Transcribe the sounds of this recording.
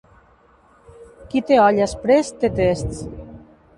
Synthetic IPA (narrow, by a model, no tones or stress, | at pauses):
kit̪eɔʎaspɾest̪et̪est̪s